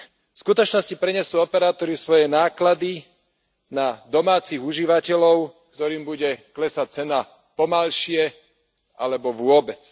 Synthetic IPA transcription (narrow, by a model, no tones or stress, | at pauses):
fskut̪ɔt͡ʃnɔscipɾɛɲɛsuːɔpɛɾaːt̪ɔɾisʋɔjɛnaːklad̪i | nad̪ɔmaːt͡siɣuʒiʋacɛlɔʊkt̪ɔɾiːmbuɟɛklɛsac̚t͡sɛna | pɔmalʃɪɛ | alɛbɔʋʊɔbɛt͡s